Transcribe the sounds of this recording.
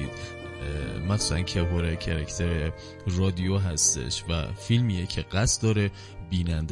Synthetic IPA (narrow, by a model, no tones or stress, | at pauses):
i̥ | mæksalæ̰ncʰeɦoɾecʰeɾækʰt̪ʰeɾe | rɒːd̪ijoɦæst̪ḛʃvæ̰filmiːjecʰe̞ɢ̥æst̪d̪ɒːɾe | biːnænd̪